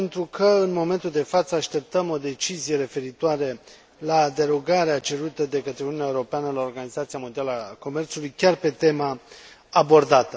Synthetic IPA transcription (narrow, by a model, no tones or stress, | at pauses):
pent̪ɾukʰəɨnmo̞me̞nt̪uld̪e̞fat̪səaʃt̪e̞p̚t̪əmo̞d̪e̞t͡ʃizije̞ɾe̞fe̞ɾit̪oaɾe | lad̪e̞ɾo̞ɡaɾeat͡ʃe̞ɾut̪əd̪e̞kət̪ɾeununeaeuɾo̞peanəlao̞rɡanizat̪sijamod̪ialəako̞me̞rt̪sulujkʲarpe̞t̪e̞maː | bo̞rd̪at̪ə